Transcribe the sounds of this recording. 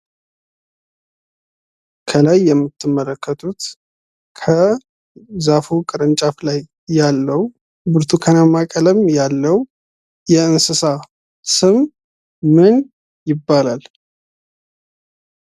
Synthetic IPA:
kʰəlajːɛmːɨt̪ʰːɨmːələkʰːət̪ʼut̪ | kʰə | zafukʼɨɾənt͡ʃʼaflajː | alːəw | bɨɾt̪ʰukʰənamːakʼələmjalːəw | jɛɨnsɨsa | sɨm | mɨn | jɪbːalal

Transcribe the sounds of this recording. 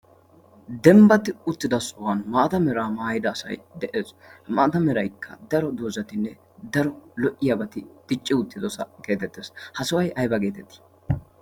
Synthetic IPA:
d̪ɛmbɐt̪ɪʊt̪ːɪd̪ɐsʊwɐnmaːt̪ɐmɛɾaːmaːjɪd̪ɐːsɐ̰jd̪ɛʔeːsmaːt̪ɐmɛɾɐjkʰːɐ̰d̪ɐɾɔd̪oːzɐt̪ɪnːɛ | d̪ɐɾɔlɔʔɪjɐbɐt̪ɪd̪̥ɪt͡ʃʼːɪʊt̪ːɪd̪ɔsɐke̞ːt̪ɛt̪ːeshɐsɐwɐjʔɐjbɐɡe̞ːt̪ɛt̪ːi̥

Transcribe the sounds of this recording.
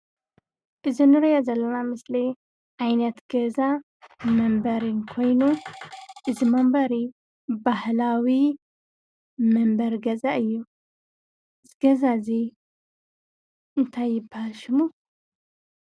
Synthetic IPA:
ʔɨzinɨɾɐjazɐlːɐnamɨsli | ʔajnɐt̪ɡ̥ɐza | mɐmbɐɾɨnkʰo̞jnu | ʔɨzimɐmbɐɾi | bahlawi | mɐmbɐɾɡɐzaʔɨjːu | ɨzɡɐzazi | ʔɨnt̪ʰajːɪbːahalʃɪmu

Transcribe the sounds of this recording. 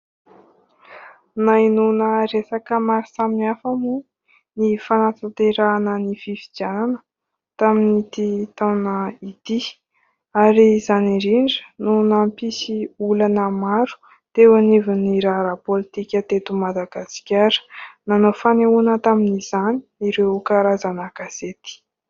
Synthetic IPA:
nainunəɾesakəmaɾisaminafamu | nifanat̪ant̪eɾaːnənififid͡ʒjananə | t̪aminit̪it̪awnəit̪i | aɾizaniɾiɳɖ͡ʐə̥nunampisiulanəmaɾu̥ | t̪ewuniviniɾaɾapolit̪ikʲət̪et̪umad̪aɡasi̥kʲaɾə̥nanofaneunət̪aminiz̥ani̥iɾewkaɾazanaɡaset̪i̥

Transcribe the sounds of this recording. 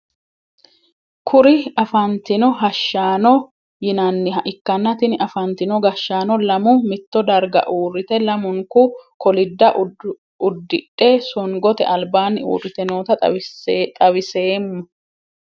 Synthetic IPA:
kʰʊɾɪɐfɐnt̪ɪnɔɦɐʃːaːnɔ | jɪnɐnːɪɦɐʔɪkːɐnːɐt̪ɪnʔɐfɐnt̪ɪnɔɡɐʃːaːnɔlɐmʊmɪt̪ːɔd̪ɐɾɡɐ̰ʔuːrːɪt̪ɛlɐmʊŋkʊkʰɔlɪd̪ːɐʔ | ʊd̪ːɪᶑʼesɔŋɡɔt̪ɛ̰ʔɐlbaːnːɪṵːrːɪt̪ɛnoːt̪ɐ | t̪ʼɐβɪseːmːɐ

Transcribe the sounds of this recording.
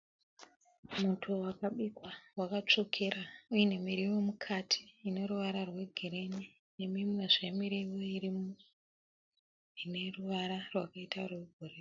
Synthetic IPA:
mutʰuwakaɓikwawakat͡ʂo̞kʰe̞ɾaujene̞miɾiwo̞mukʰatʰi̥ːne̞ɾuʋaɾarwe̞ɡʱiɾe̞ni | ne̞mimwe̞ʐe̞miɾiwo̞irimu | ine̞ruʋaɾarwakaitarweɡʱorero

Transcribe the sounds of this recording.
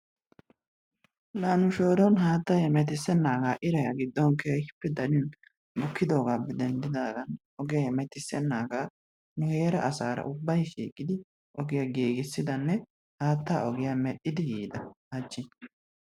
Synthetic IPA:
laːnʊʃo̞ːɾɔnɦaːt̪ːajɛmɛt̪̬ɪsɛnːaːɡaːʔɪɾɐjaɡɪd̪ːɔnkeːʃɪpːɛd̪ɐɾɪn | bʊkːɪd̪o̞ːɡaːbɛd̪ɛnd̪ɪd̪aːd̪ɐnʔɔɡɛjajmɛt̪ɪsɛnːaːɡaː | nʊhe̞ːɾɐʔɐsaːɾɐ̰ʔʊbːɐjʃḭːkʼːɪd̪ɪ | ʔɔɡɪjaɡeːɡɪsːɪd̪ɐnːɛ | haːt̪ːaːʔɔɡɪjamɛɗːɪd̪ɪjiːd̪ɐhɐt͡ʃːɪ

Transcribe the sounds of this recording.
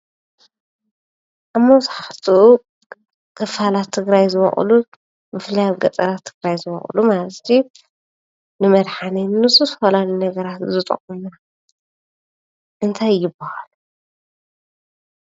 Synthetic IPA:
ʔamːowsħaħt̪ʰuu | kʰʼɨfalat̪ʰːɨɡɾajzɨβɐ̰χʼlu | bɨflɐjaβɡɐt͡s̪ʼɐɾat̪ʰːɨɡɾajzɨβɐ̰χʼlumalɐt̪ʰːi | nɨmɐd̪ħanennɨsusfolalinɐɡɐɾat̪zɨt̪ʼɐ̰χʼumuna | ʔɨnt̪ʰajjːɪbːahalu

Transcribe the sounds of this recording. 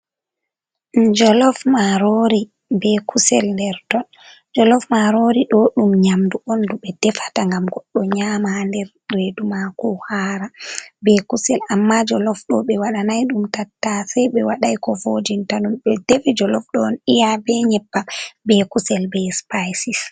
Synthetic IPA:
d͡ʒɔlɔfmaɾoɾi | bɛkʰusɛ̰lndɛɾtɔn | d͡ʒɔlɔfmaɾoɾiɗɔɗumɲamduʔɔnduɓɛd̥ɛfḁtaŋɡamɡɔɗːɔɲaːmaandɛɾ | redumakɔhaːɾabɛkusɛlamːad͡ʒɔlɔfɗɔɓɛwaɗanajɗumtatːasɛjɓɛwaɗajkɔvod͡ʒintaɗumɓɛdefid͡ʒɔlɔfɗɔːnijabɛɲɛpːabɛkusɛlbɛspajsis

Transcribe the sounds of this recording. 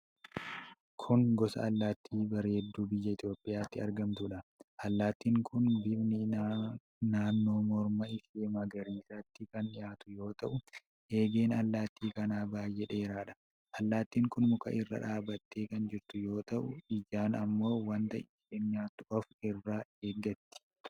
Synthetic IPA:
kʰʊŋɡɔsɐ̰ɐlːaːt̪ʰːiːbɐɾehɛd̪ːuːbɪjːɐɪt̪jo̞ːpʼːɪjaːt̪ːɪɐɾɡɐmt̪ʊᶑɐʔɐlːaːt̪ːiːŋkʰʊnbɪbnɪ | naːnːo̞ːmɔɾmɐɪfemɐɡɐɾiːsɐt̪ːɪkɐnᶑɪjaːt̪ʊjo̞ːt̪ɐʔʊ | e̞ːɡe̞ːnɐlːaːt̪ʰːiːkɐnaːbaːjːɛᶑeːɾaːᶑɐ̥ | ʔɐlːaːt̪ːiːŋkʊnmʊkɐ̰ʔɪrːɐ̰ᶑaːbɐt̪ːeːkɐnd͡ʒɪɾt̪ʊjo̞ːt̪ɐʔʊɪd͡ʒaːnɐmːo̞ːwɐnt̪ɐʔɪ | enɲaːt̪ːʊʔɔfɪrːaːeːɡːɐt̪ːɪ̥

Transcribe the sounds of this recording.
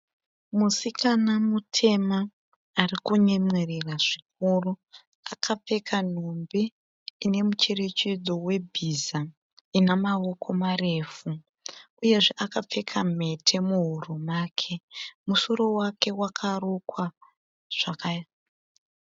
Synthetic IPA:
musikʰanamutʰe̞maː | rikuɲemwereraʐ̥ik̚uru | akʰap͡fe̞kʰan̤ombe | ine̞mut͡ʃe̞re̞t͡ʃed͡zo̞we̞bʱiza | inamawo̞kʰo̞mare̞fu | uje̞ʐeʔakap͡fe̞kʰame̞tʰe̞muɦurumakʰe̞muso̞ɾo̞wake̞wakʰarokwa | ʐ̥aka

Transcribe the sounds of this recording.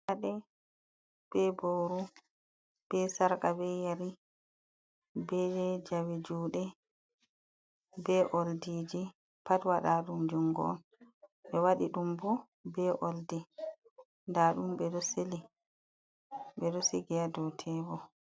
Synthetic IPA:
aɗɛ | b̥ɛbowɾu | b̥ɛsaɾkabɛjaɾi | bɛd͡ʒɛd͡ʒawed͡ʒuːɗɛ | bɛʔoldiːd͡ʒi | patwaɗaɗumd͡ʒuŋɡɔ̰ɔ̰n | ɓɛwaɗiɗumbɔ | bɛʔoldi | ndaɗumbɛɗɔseli | ɓɛɗɔseɡiadɔtʰɛbɔ

